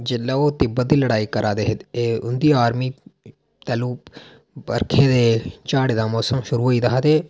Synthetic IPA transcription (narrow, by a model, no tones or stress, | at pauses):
d͡ʒɪlːaːoːt̪eːbəd̪iːləɽaːiːkəɾʔaːd̪eːɦd̪eːʊnd̪iːaːɾmiː | t̪ɛːluː | ə̰ɾkʰeːd̪eːt͡ʃaːɽeːd̪aːmɔːsəmʃʊɾuːɦoːiːd̪aad̪eː